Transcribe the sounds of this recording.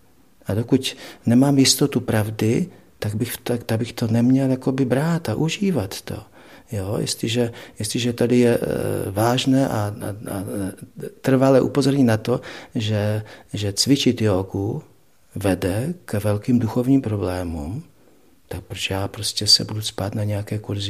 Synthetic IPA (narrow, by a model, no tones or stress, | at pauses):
ʔadokucnɛmaːmjɪst̪o̞t̪upɾavdɪ | t̪aɡbɪxt̪at̪aɡ̚bɪxt̪onɛmɲɛljako̞bɪbɾaːt̪aʔuʒiːvat̪t̪o̞̰ | jojɪ̰st̪lɪʒɛjɪst̪lɪʒɛt̪adɪjɛvaːʒnɛːʔaaa | t̪r̩valɛʔṵpo̞zo̞ɾɲɪnat̪o̞ʒɛʒɛt͡svɪt͡ʃɪt̪joːku | vɛdɛkɛvɛlkiːmduxo̞vɲiːmpɾo̞blɛːmṵm | t̪ak̚pɾot͡ʃɛjaːpɾo̞scɛsɛ̰buduspaːt̪naɲɛjakɛːkuɾzɪ